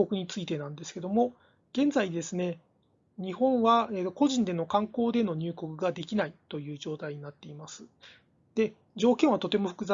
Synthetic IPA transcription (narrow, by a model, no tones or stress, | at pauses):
okɯ̟ɲ̟it͡sɨit̪e̞nãnd̪e̞sɨ̥ke̞d̪o̞mo̞ | ɡ̥ẽ̞nd͡zaid̪e̞sɨne̞ | ɲ̟ihõ̞ɰ̃βaeːt̪ːoko̞ʑĩnd̪e̞no̞kãŋko̞ːd̪e̞no̞ɲ̟ɨːko̞kɯ̟ɡad̪e̞kʲinait̪o̞jɯ̟ːʑo̞ːt̪aiɲ̟inat̪ːe̞imasɨ̥ | d̪̥e̞ | d͡ʑo̞ːkẽ̞ɰ̃βat̪o̞t̪e̞mo̞ɸɯ̟̥kɯ̟za